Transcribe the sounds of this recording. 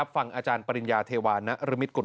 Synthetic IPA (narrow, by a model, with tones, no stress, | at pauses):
a˦˥p̚fa˧ŋʔaː˧t͡ɕaː˧npa˧ɾi˧njaː˧t̪ʰeː˧waː˧nːa˦˥ʔɾɯ˦˥mi˦˥t̪̚ku˨˩